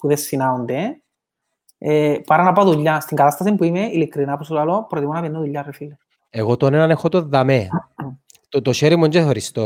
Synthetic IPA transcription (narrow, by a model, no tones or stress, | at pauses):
puðesːinaund̪e | epaɾanapaðuʎːast̪iŋkat̪ast̪as̬empuimeʔilikɾinapos̬ulalopɾot̪imunaβend̪aðuʎːarefile | eɣot̪onenanexot̪oðːame | t̪ot̪oʃeɾimond͡ʒeθoɾist̪o